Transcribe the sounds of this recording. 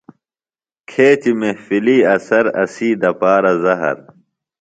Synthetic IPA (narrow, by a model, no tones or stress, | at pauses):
kʰeːt̪imehfiliːɐsɐɾɐ̰siːd̪ɐpaːɾɐzɐɦɐ̰ɾ